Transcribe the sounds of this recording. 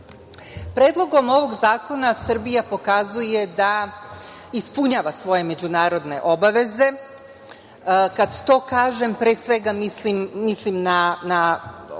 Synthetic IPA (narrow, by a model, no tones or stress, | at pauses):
pɾe̞ːd̪lˠo̞ɡo̞mo̞ʋo̞ɡzaːko̞nasr̩bijapo̞kazuje̞d̪a | ispuɲaʋasʋo̞je̞me̞d͡ʑunaːɾo̞d̪ne̞̰ʔo̞baʋe̞ze̞ | kad̪t̪o̞ːkaːʒe̞mpɾeːsʋe̞ɡamislimːislimnana